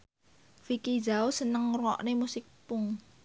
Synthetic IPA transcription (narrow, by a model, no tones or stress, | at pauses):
fikid͡ʒaosənəŋrɔ̰ʔnemusɪk̚pʊŋ